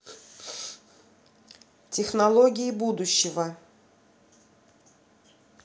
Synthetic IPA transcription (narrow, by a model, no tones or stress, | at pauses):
tʲɪxnɐlˠoɡʲɪjɪbud̪ʊɕːɪvə